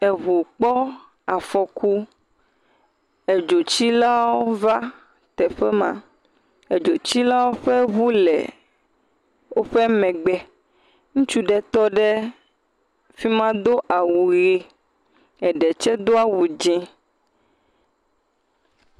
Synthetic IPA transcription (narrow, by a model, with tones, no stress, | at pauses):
e˨βu˨k͡pɔ˦ | a˨fɔ˨ku˦ | e˨d͡ʒo˨t͡ɕi˦la˦wo˦va˦ | t̪ɛ˨ɸɛ˦mã̰˨ | e˨d͡ʒo˨t͡ɕi˦la˦wo˦ɸɛ˦βu˦lɛ̰˨ | wo˦ɸɛ˦mɛ̃˨ɡ͡bɛ˨ | ŋũ˦t͡ʃu˦ɖɛ˨t̪ɔ˦ɖɛ˦ | fi˦mã˦d̪o˦ʔa˨wu˨ɣe˦ | ɛ˨ɖɛ˨t͡ʃɛ˦d̪o˦a˦wu˨d͡ʒɛ̃˦